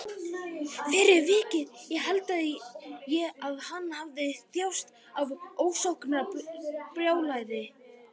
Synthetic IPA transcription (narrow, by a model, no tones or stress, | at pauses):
fɪːɾɪɾvɪːcɪðjɛɣɦɛlt̪aðɪjɛaðhanːhavðɪθjawst̪ | avoːwsawhknapɾjaːwlajðɪ